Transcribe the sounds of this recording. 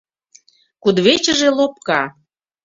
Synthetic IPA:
kud̪βet͡ɕəʒelop̚kɑ

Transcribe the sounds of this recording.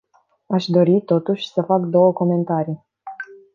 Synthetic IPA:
aʃd̪o̞ɾit̪o̞t̪uʃʲsəfakd̪o̞wəko̞me̞nt̪aɾi

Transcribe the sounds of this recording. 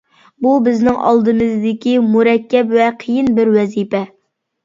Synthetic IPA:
bubɪznɪŋʔɑ̰lˠd̪ɨmɨzd̪ɪkʲimuɾɛkʲːɛpwɛqʰəjinbɪɾwɛzipɛ

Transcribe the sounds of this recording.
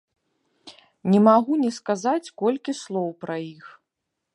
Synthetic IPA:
nʲɛmaɣunʲɛskazat͡sʲkɔlʲkʲislˠɔwpɾɐjix

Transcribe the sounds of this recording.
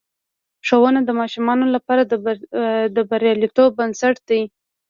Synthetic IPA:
ʂowənad̪əmɑʃumɑnolapɑɾad̪ | d̪əbaɾjɑlit̪obːansaʈ̚d̪̥aj

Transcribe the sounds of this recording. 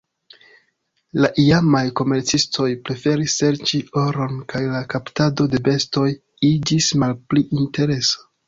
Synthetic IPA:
laʔiamajko̞me̞ɾt͡sistʰo̞jpɾe̞fe̞ɾisːe̞ɾt͡ʃio̞ɾo̞nkajlakaptado̞de̞be̞sto̞j | id͡ʒismalpliʔinte̞ɾeso̥

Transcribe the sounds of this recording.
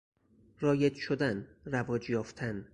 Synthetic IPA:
rɒːjed̪ʃod̪ænɾævɒːd͡ʒjɒːft̪ʰæn

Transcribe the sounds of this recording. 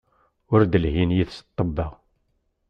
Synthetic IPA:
ʊɾd̪əlhinjiθsə̥t̪ˤːəbːɑʁ

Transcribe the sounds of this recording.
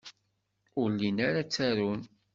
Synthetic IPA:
ʊlːinaɾat͡sːæɾun

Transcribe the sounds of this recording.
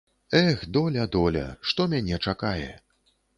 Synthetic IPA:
ɛxd̪ɔlʲɐd̪ɔlʲɐ̰ʂt̪ɔmʲanʲɛt͡ʂakajɛ̰

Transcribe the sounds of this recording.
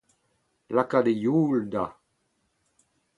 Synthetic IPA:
lakad̪ejuːld̪a

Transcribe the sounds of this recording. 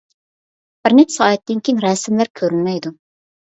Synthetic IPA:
b̥ɪɾnɛpsɑːɛt̪ːɪnkʲiŋɾɛsɪmlæɾkʲʰøɾynmɛjd̪u

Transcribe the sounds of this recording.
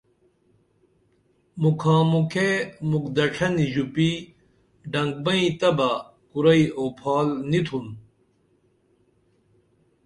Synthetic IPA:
mukʰãːmukʰemukd̪ɐʈ͡ʂʰɐniʑupi | ɖɐŋɡ̚bɐĩt̪ɐbɐ | kuɾɐioːpʰaːlnit̪ʰun

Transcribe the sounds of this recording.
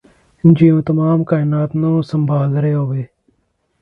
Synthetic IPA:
d͡ʒiːũːt̪əmaːmkaːɪnaːt̪nũːsəmbʱaːlɾeːɦoːʋeː

